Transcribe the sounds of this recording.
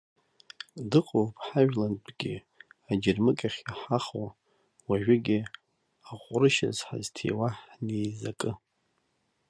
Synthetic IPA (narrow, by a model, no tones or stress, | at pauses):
dɨqʼowpʰʼħaʒᶣlanpʰʼɡ̥ʲɪ | ad͡ʒɪrmɨkʼaχʲaħaχo | waʒᶣɪɡʲɪ | aqʷʼrɨʃa̰zħa̰ztʰḛwaħnejzakʼɨ